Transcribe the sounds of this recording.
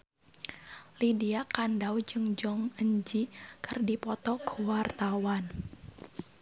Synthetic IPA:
lidiakandawd͡ʒɨŋd͡ʒɔŋəɲd͡ʒikɨrdipɔt̪ɔkʰuwart̪awan

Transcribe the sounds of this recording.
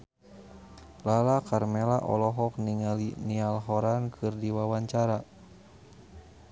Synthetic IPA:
lalakarmɛlaʔɔ̰lɔɦɔk̚niŋalinialɦɔɾankʰɨrdiwawaɲt͡ʃaɾa

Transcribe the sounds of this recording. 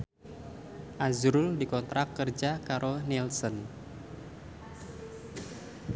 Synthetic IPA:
ʔazɾʊldikɔnt̪ɾakːərd͡ʒakaɾonilsɔn

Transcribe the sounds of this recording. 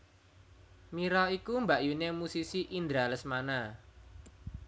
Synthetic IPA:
miɾɔikumbaʔjunemusisiʔind̪ɾaləsmana

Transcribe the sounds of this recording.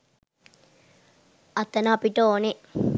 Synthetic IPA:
ɐt̪ːɐnapiʈooni

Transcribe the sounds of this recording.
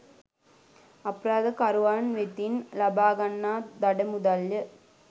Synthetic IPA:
ɐpːɾaːðɐkɐɾɯʋaːnʋet̪ːinlɐbaːɡɐnːaːd̪ɐɽɐmuðaljɐ

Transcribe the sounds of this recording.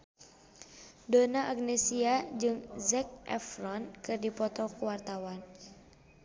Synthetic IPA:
donaʔaɡnɛsiad͡ʒɨŋzɛk̚ʔɛ̰frɔnkɨrdipɔt̪ɔkəwart̪awan

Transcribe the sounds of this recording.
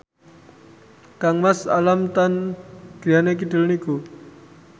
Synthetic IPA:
kaŋmasa̰lamt̪anɡ̥ɾianek̬idəlniku

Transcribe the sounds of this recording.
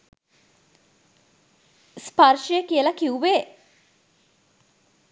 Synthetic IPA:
spaɾʃijəkiəlɐkiuʋeː

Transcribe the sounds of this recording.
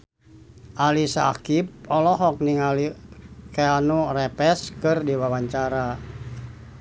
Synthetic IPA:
ʔalisakip̚ɔlɔɦɔk̚niŋalikeanurɛpɛskɨrdiwawaɲt͡ʃaɾa

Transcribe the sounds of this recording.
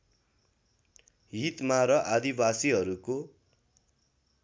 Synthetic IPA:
ɦit̪maɾʌʔad̪ibasiɦʌɾuko

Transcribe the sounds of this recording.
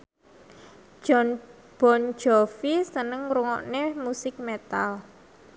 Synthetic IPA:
ʒ̥ɔn | b̥ɔ̤n̥d͡ʒ̥ɔfisənəŋɾuŋɔ̰ʔnemusɪk̚met̪al

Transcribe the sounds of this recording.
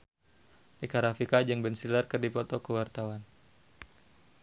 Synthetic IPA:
ikaɾafikad͡ʒəŋbɛnsilərkərdipɔt̪ɔkəwart̪awan

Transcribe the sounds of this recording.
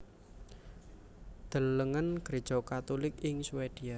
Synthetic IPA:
d̪̥ə̤lːəŋənkəɾid̥ʒ̥ɔ̤kat̪ulɪkɪŋsuwed̪̥ia

